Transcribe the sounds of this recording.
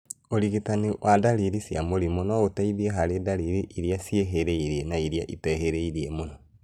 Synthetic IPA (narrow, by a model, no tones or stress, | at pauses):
oɾiɣitaniwʔadaɾiɾisjamoɾimonɔotaiðieɦaɾedaɾiɾiʔiɾiasieɦeɾeiɾienaiɾia̰ʔitɛɦeɾeiɾiemonɔ